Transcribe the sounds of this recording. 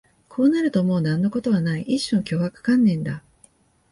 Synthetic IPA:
kʰo̞ːnaɾɯ̟t̪omo̞ːnãnːo̞ko̞t̪o̞β̞anaiʔiɕːõŋkʲo̞ːβakḁkãnːẽ̞nd̪a

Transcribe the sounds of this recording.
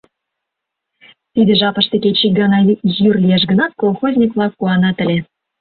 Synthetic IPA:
t̪id̪əʒɑpɤ̆ʃt̪eket͡ɕiɡɑnɑjyrlʲieʃ̬ɡənɑt̪̚kolˠxozʲnʲikvlˠɑk̚ːuɑnɑt̪ə̆lʲe

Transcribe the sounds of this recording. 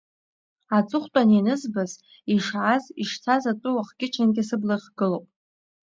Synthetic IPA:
at͡sʼɨχʷtʼaninɨzbaz | iʂʕaziʂt͡sʰazat͡sʷʼʊwaχɡʲɪt͡ʃʰanɡʲɪasɨblaχʲɡ̥ɨlowpʼ

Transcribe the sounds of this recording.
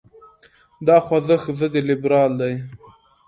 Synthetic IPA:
d̪ɑxwazəxzəd̪elɪbɾɑːld̪aj

